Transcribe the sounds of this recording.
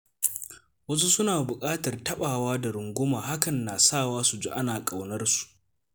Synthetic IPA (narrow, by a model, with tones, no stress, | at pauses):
wɐ˦s̬u˦sʊ˦naː˨bʊ˨kʼaː˦tɐ˨rtɐ˦ɓaː˨waː˦da˨ɾʊ˨ŋɡʷʊ˦maː˨ɦa˦kɐ˨nːaː˨saː˦˨waː˦su˨d͡ʒo˦ʔa˦naː˨kʼa˨wnɐ˦rsu̥˨ʔ